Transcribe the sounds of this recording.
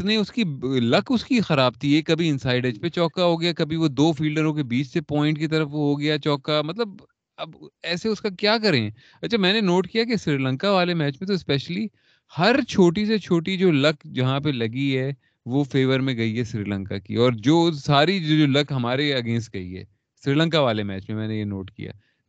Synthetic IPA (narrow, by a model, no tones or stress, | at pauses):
ɪniʊskilɐkʰʊskixɐɾaːb̚t̪ʰiɛkɐbʱiɪ̃nsaːɪɖed͡ʒpet͡ʃɔːkaɦoːɡɐjakɐbʱiʋod̪oːfiːlɖəɾõkebiːt͡ʃsepɔːɪ̃ɳʈkit̪̬ɐɾəfʋoɦoɡɐjat͡ʃɔːkamɐt̪ləb̚ | ɐbɛːseʊskakjaːk̬ɐɾẽɦɛ̃ː | ɐtːt͡ʃʰamɛ̃ːnenoːʈkijak̬esɾiːɾlə̃ŋkaʋaːlemɛːt͡ʃmẽt̪ospɛːʃəli | hɐɾt͡ʃʰoːʈiset͡ʃʰoːʈid͡ʒoːlɐkd͡ʒɐɦãpelɐɡiɦɛ | ʋofeːʋəɾmẽɡɐiɦɛsɾḭːlə̃ŋkakḭɔːɾd͡ʒoːsaːɾid͡ʒoːd͡ʒoːlɐkɦɐmaːɾeɐɡẽːnsʈ̚ɡɐḭɦɛ̰ː | sɾiːlə̃ŋkaʋaːlemɛːt͡ʃmẽmɛ̃ːnejeno̰ːʈkḭja̰ː